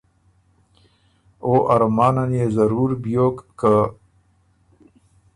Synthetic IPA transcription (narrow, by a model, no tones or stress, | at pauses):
oʔɐɾmaːnanjezɐɾuːɾbijoːkka